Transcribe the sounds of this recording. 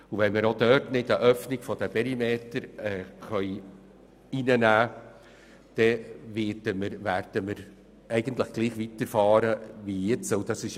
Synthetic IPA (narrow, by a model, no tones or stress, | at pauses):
uvɛnməɾodœɾtnɪtəʔœfnɪɡfɔd̥əpɛɾimeːtəɾɛχœʏ | inənæː | d̥ɛvɪd̥əməɾvæɾd̥əməɾ | ɛɪɡəntləχɡ̥liːχʋitəɾfɑːɾəʋijet͡səʊd̥ɑsɪʃ